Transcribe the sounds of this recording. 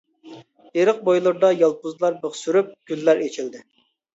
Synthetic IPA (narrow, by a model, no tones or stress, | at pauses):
eɾəq̚bojlˠɨɾd̪ɑjɑlˠpʊzlˠɑɾbəχsyɾyp̚ɡ̥ʲylːæɾet͡ʃʰild̪ɪ